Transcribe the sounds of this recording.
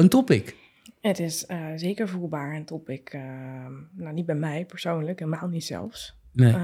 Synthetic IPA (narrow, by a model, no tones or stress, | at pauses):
əntɔpɪk | ətɪszeːkəɹvulˠbaːɹəntɔpɪk | nawnit̚bɛjmɛjpəɹsoːnləkelˠmaːlˠnitsɛ̰lˠfs | ne